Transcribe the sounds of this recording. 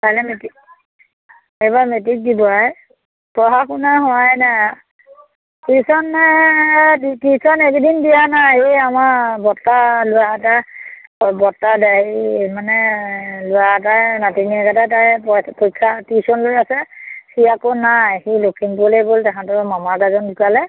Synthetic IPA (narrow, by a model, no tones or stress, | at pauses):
palɛmeti | ejbamet̬ik̚dibɔɛ | pɔɦakunaɦɔajna | tisɔnːajdtisɔnekdinbijanaejamaɹbɔtːalʊjata | ɔbɔtːadaemanɛlʊjatanatiniɛkatatajpɔpojkʰːatisɔnlojasɛsiakɔnajxilokʰinpuleɡoltakʰãtɔmamaɡazɔndikalɛ